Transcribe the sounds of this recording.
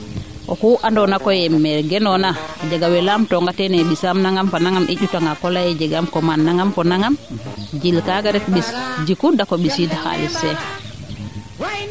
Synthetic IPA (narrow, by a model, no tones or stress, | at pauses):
ʔɔkuʔandɔnakɔjɛmɛɾɡɛnɔnad͡ʒaɡawɛlamtɔŋɡatɛnɛɓisamnaŋɡamkanaŋɡamʔḭɟutaŋɡakɔlajɛd͡ʒɛɡamkɔmanːaŋɡamkɔnaŋɡamd͡ʒilkaɡaɾɛkɓisd͡ʒikudakɔɓisidaha̰lɛsɛ